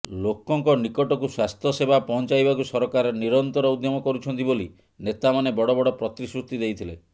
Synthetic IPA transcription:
lokɔŋkɔnikɔʈɔkuswast̪ʰjɔsebapɔɦɔnt͡ʃajbakusɔɾɔkaɾɔniɾɔnt̪ɔɾɔud̪jɔmɔkɔɾut͡ʃʰɔnt̪iboli | net̪amanebɔɽɔbɔɽɔpɾɔt̪ɾisɾust̪id̪ejt̪ʰile

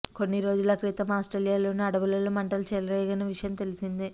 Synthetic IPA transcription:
ko̞nːiɾo̞ːd͡ʒulɐkɾiːt̪ɐmaːsʈɾelijaːlo̞ːnuɐɽɐʋulɐlumɐɳʈɐlut͡ʃɛːlɐɾɐjɡɐnɐʋiʂɐjɐmt̪e̞lisind̪i

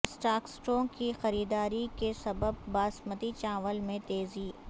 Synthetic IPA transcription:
sʈaːksʈɾõːŋkixɐɾiːd̪aːɾikesɐbəb̚ːaːsmət̪it͡ʃãːʋəlmẽt̪eːzi

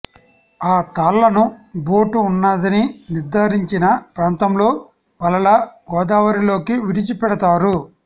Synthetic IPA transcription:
aːt̪aːlːɐnubo̞ːʈuːnːaːd̪ɐniniɾd̪ʱaːɾiɲt͡ʃinɐpɾaːnt̪ɐmlo̞ː | pɐlɐlɐɡɔːd̪aːʋɐɾilo̞ːkiʋiɽit͡ʃipɛɽɐt̪aːɾu

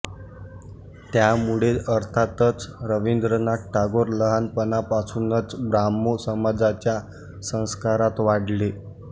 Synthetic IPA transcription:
t̪jamuɭeəɾt̪ʰat̪ət͡sɾəʋind̪ɾənaʈʈʰːaɡoɾləɦanpənapasunət͡sbɾamːosəmad͡zat͡ɕja | sə̃w̃skaɾat̪ʋaɽle

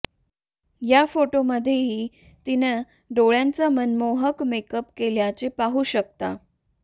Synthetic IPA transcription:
jafoʈoməd̪ʱːjeɦiː | t̪inə | ɖoɭjãnt͡samənmoɦəkmekəpkeljat͡sepaɦuːɕək̚t̪a

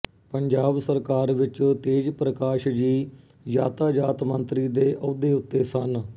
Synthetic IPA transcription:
pəɲd͡ʒaːbsəɾkaːɾʋɪt͡ʃt̪eːd͡ʒpɾəkaːʃd͡ʒiː | jaːt̪aːd͡ʒaːt̪mənt̪ɾiːd̪eːʔəd̪eːʊt̪ːeːsən

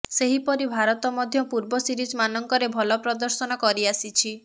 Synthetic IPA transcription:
seɦipɔɾibʱaɾɔt̪ɔmɔd̪ʱjɔpuɾbɔsiɾid͡ʒmanɔŋkɔɾebʱɔlɔpɾɔd̪ɔɾsɔnɔkɔɾiasit͡ʃʰi

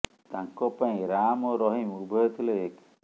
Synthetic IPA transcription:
t̪aŋkɔpaĩɾamɔɾɔɦĩmubʱɔt̪ʰileek

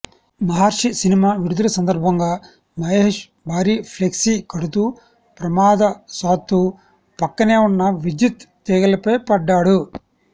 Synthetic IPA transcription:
mɐɦaːɾʂisinimaːʋiɾud̪ʱɐlɐsɐnd̪ɐɾbʱɐŋɡaː | mɐeːʂ | bʱaːɾiːpʰleksikɐɽut̪uː | pɾɐmaːd̪ɐsaːt̪ːu | pɐkːɐneːunːɐʋid͡ʒit̪ːɛːɡɐlɐpɐjpɐɖːaːɽu

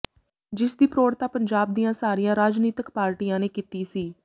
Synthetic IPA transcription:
d͡ʒɪsd̪iːpɾoːɾt̪aːpəɲd͡ʒaːb̚d̪iːãːsaːɾiːjãːɾaːd͡ʒniːt̪əkpaːɾʈiːãːneːkiːt̪iːsiː

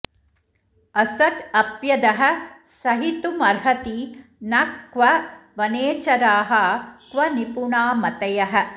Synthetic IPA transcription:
ɐsɐd̪ɐpjɐd̪ɐɦɐ̆sɐɦit̪umɐɾɦɐt̪inɐkʋɐʋɐneːt͡ʃɐɾaːɦɐkʋɐnipuɳaːmɐt̪ɐjɐɦɐ̆

